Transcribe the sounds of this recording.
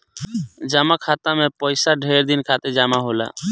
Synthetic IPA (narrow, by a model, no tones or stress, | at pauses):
d͡ʒamakʰat̪amepəɪsaɖʱeɾd̪inkʰat̪ed͡ʒamaɦola̰